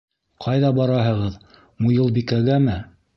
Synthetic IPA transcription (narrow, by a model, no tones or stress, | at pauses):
qʰɑjðɑbɑɾɑɦɤ̆ʁɤð | mujɤlˠbikæɡæmɘ